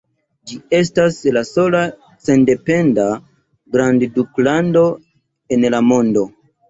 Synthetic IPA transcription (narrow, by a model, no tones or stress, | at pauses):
d͡ʒie̞staslaso̞la | sende̞pe̞nda | ɡɾandduklando̞ | e̞nlamo̞ndo̞